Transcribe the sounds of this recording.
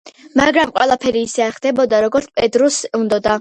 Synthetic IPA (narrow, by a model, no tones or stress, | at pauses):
maɡɾamqʼwɛlˠapʰɛɾiːsɛaɾχd̪ɛbɔd̪aɾɔɡɔɾt̪sʰpʼɛd̪ɾusund̪ɔd̪a